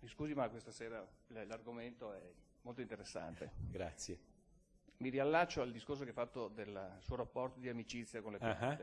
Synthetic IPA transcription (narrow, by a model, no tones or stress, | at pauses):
miskuːzimakwest̪asɛːɾallarɡoment̪oɛ | mːolt̪oint̪eɾesːa̰nt̪ḛɡɾa̰t̪sːje | miɾialːat͡ʃːoald̪iskors̬okeɛfːat̪ːod̪elsuoɾapːɔrt̪od̪iamit͡ʃit̪sːjakonlepoa